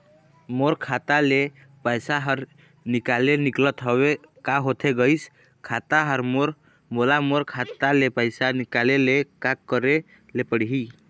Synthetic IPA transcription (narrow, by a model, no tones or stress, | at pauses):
moɾkʰat̪ale | pəjsaɦəɾ | nikaleniklət̪ɦəwekaɦot̪ʰeɡəis | kʰat̪aɦəɾmoɾ | molamoɾkʰat̪alepəjsanikalelekakːəɾe | lepəɽɦi